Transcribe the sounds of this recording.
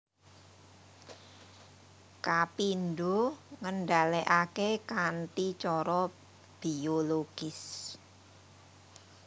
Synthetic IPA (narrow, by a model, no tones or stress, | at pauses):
kapinɖoŋənɖaleʔakekant̪it͡ʃɔɾɔ | b̥ioloɡ̥ɪs